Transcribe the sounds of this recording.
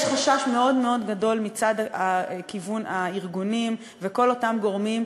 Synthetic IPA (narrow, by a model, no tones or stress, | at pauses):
ʃχaʃaʃme̞o̞dme̞o̞dɡado̞lmit͡sadakivunaiʁɡunim | veko̞lo̞tamɡo̞ʁmim